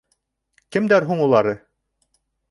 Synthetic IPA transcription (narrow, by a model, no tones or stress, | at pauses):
kɘ̆md̪æɾɦuɴulˠɑɾɤ